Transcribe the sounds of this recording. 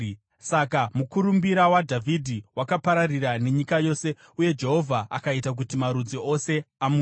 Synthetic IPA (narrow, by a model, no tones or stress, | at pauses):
sakamukuɾumbiɾawadʱavʱidʱiwakapaɾarirane̞ɲikajo̞se̞ | uje̞d͡ʒe̞ɦo̞vʱaa̰kaitak̬utimaɾud͡ziose̞amu